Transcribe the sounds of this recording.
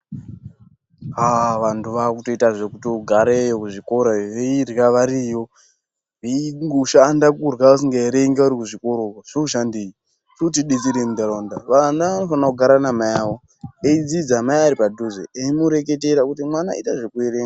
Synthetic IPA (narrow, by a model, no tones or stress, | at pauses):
aʋantʰuʋakuto̞itaʐekutoɡʱaɾejokuʐiko̞ɾoʋeirɣaʋaɾijo̞ | ʋeiŋɡuʃandakurwaas̬iŋɡeɾeiŋɡauɾikuʐiko̞ɾokoʐ̥euʃandei | tuutiɗid͡ziɾemud̪aɾondaʋanaʋano̞fanakuɡʱaɾanamajawo̞ | eid͡zid͡zamajaɾipadʱuzḛeimuɾe̞ke̞teɾakutimwanaitaʐekueɾeːŋɡa